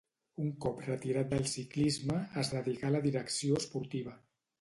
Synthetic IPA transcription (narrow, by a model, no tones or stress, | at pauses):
uŋkɔprət̪iɾat̪̚d̪əlˠsiklizməːzðəðiɣaləðiɾəksioəspuɾt̪iβ̞ə